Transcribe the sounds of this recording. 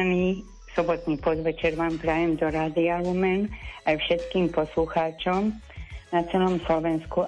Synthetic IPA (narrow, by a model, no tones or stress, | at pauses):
niː | sɔbɔt̪niːpɔd̪ʋɛt͡ʃɛɾʋaːmpɾajɛmd̪ɔɾaːd̪ialumɛnajfʃɛt̪kiːmpɔsluxaːt͡ʃɔm | nat͡sɛlɔmslɔʋɛnsku